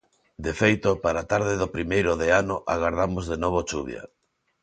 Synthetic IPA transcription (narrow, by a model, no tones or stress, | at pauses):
d̪efejt̪opaɾat̪aɾðɪðopɾimejɾʊðeanʊʔaɣaɾðamozðenoβ̞ot͡ʃuβja̰